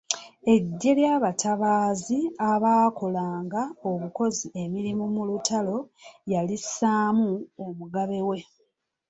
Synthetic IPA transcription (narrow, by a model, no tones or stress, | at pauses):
e̞ɟːe̞ljaːβataβaːziaβaːko̞laːŋɡao̞βuko̞zie̞miɾimumulutalo̞jalisaːmuomuɡaβe̞we̞